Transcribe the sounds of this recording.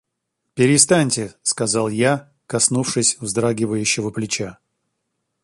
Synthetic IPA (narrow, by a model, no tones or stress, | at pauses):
pʲɪɾʲɪs̬t̪anʲtʲɪskɐzalˠja | kɐsnufʂɨsʲvzd̪ɾaɡʲɪvəjʉɕːɪvəplʲɪt͡ɕa